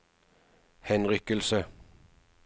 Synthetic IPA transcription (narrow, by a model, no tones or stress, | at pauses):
hɛnʁʏkəlsə